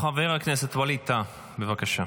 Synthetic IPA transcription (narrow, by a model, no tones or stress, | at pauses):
χaveʁhakneset̪walit̪a | bevakaʃa